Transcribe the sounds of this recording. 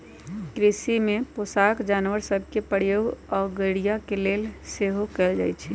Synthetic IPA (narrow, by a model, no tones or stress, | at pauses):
kɾisimeposakd͡ʒanʋəɾsəb̚ʱkepəɾjoːɡɔːɡəɽijakelelseɦokɛld͡ʒa̰ːjt͡ʃʰɛ